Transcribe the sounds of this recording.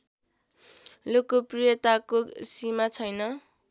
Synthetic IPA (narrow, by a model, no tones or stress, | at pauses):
lokːoprijʌt̪akosimat͡sʰʌjnʌ